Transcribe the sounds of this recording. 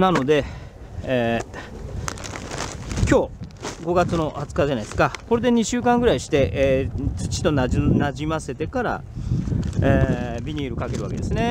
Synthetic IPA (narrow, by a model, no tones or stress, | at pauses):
nano̞d̪e̞ | kʲo̞ːɡo̞ɡat͡sɨno̞hat͡sɨ̥kaʑanaiesɨ̥kako̞ɾe̞d̪e̞ɲ̟iɕɨːkãŋɡɯ̟ɾaiɕi̥t̪e̞ʔeːt͡sɨ̥t͡ɕi̥t̪o̞nanaʑimase̞t̪e̞kaɾa̰ | ebʲiɲ̟iːɾɯ̟kake̞ɾɯ̟βaked̪e̞sɨne̞